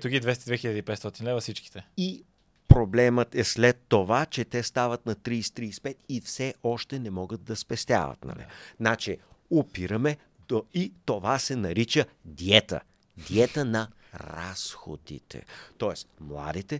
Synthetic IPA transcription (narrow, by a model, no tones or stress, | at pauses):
t̪uɡʲid̪vɛst̪ɛd̪vɛxilʎʲəd̪iːpɛt̪st̪ɔt̪inlɛvɐfsit͡ʃki̥t̪ɛi | pɾoblɛmət̪ɛslɛt̪ːovat͡ʃɛt̪ɛst̪avət̪nɐt̪ɾiːst̪ɾiːspɛt̪ifsɛʔɔʃt̪ɛnɛmɔɡəd̪̚d̪ɐspɛst̪ʲja̰və̰t̪nɐ̰nɛ̰nat͡ʃɛopiɾəmɛ | oit̪ovasɛnɐɾit͡ʃəd̪iɛt̪ə̰ | d̪iɛt̪ənɐ | ɾa̰sxo̰d̪ḭt̪ʰɛ̰t̪ɔɛsmlˠa̰d̪it̪ɛ